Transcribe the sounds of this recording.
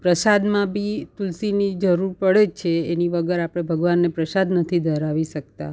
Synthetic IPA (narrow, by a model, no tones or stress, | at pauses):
pɾəsad̪mãbʱit̪ulsinid͡ʒəɾuɾpəɭed͡ʒt͡ʃʰeːniʋəɡəɾapɽ̃ebʱəɡʋanːepɾəsad̪nət̪ʰid̪ʱəɾaʋiʃək̚t̪a̰